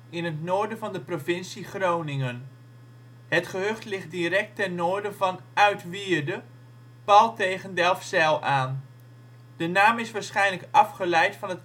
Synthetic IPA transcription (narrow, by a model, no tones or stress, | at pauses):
ɪnɦətnoːɹdəvɑndəprovɪnsiχrownɪŋən | ɦətχəɦɵχtlɪχt̚dirɛk̚tɛnnoːɹdəvɑnœɥtʋiːɹdə | pɑlˠtejχəndɛlˠfsɛlˠaːn | d̥ənaːmɪsʋaːɹsχɛjnləkɑfχəlɛjtfɑnɦət